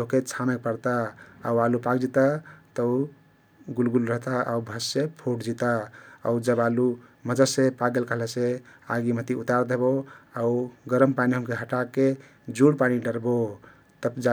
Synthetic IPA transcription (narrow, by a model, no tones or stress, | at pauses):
oket͡ʃʰanək̚pəɾt̪aa̰ualupak̚d͡ʒit̪at̪əu | ɡulɡulɾəɦt̪aʔaubʱəsːepʰoʈd͡ʒit̪aa̰ud͡ʒəbaluməd͡ʒasepaɡelkəɦleseaɡimət̪iut̪aɾd̪eboauɡəɾəmpaniɦəmkeɦəʈake | d͡ʒuɽpaniɖəɾbo | t̪əbd͡ʒa